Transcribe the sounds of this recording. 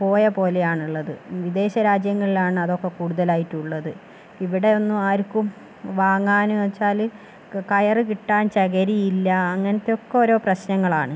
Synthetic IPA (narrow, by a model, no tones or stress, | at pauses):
po̞ːjɐpo̞ːle̞jaːɳuɭːɐðɨʋid̪e̞ːɕɐɾaːd͡ʑjɐŋːɐɭilaːɳɨɐðo̞kːe̞kuːɽuðɐlaːjitːuɭːɐðɨ | iʋiɽe̞o̞nːuaːɾukːum | ʋaːŋːaːnuʋɐt͡ɕːaːl | kɐjɐrɨkiʈːaːnt͡ɕɐɣɐɾijilːɐːŋːɐnɐt̪ːeo̞kːeo̞ɾo̞ːprɐɕnɐŋːɐɭaːɳɨ